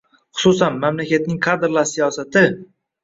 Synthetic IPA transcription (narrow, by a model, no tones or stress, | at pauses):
χʊ̥sʊsanmamlakʲat̪̚nɪŋkʰad̪ɾlˠaɾsijɒsat̪ʰɪ